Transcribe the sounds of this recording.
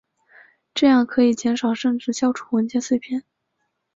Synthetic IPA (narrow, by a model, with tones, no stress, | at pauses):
ʈ͡ʂɤ˥˧jɑ˥˩ŋkʰɤ˧˥i˨˩t͡ɕjɛ˧˥nʂɑ˨˩ʊʂɤ˥˧ŋʈ͡ʂɻ̩˥˩ɕjɑ˥ʊʈ͡ʂʰu̥˥˩wə˧˥nt͡ɕjɛ˥˧nswe˥˧ɪpʰjɛ˥˩n